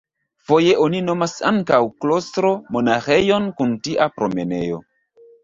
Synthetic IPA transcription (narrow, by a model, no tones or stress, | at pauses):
fo̞je̞ʔonino̞masaŋkawklostɾo̞mo̞naxe̞jo̞nkuntiʔapɾo̞me̞ne̞̰jo̞̰